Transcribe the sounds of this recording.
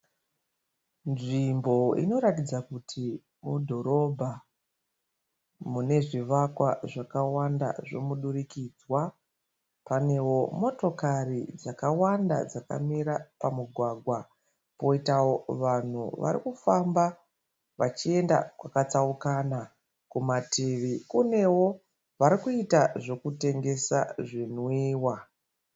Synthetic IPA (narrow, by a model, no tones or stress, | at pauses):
nʐimbo̞ḭno̞ɾatid͡zakutʰi | mudʱo̞ɾo̞bʱa | mune̞ʐiʋakwaʐakawanda̰ʐo̞̰muɗurikiːd͡zwa | pane̞wo̞mo̞to̞karid͡zakawanda̰d͡zaka̰miɾapamuɡʱwaːɡʱwa | po̞itawo̞ʋan̤ṵʋa̰ɾḭkufamba | ʋat͡ʃie̞nda̰kwakat͡saukana | kumateʋikune̞wo̞ | ʋaɾikuitaʐo̞kute̞ŋɡe̞sa̰ʐin̤wiːwa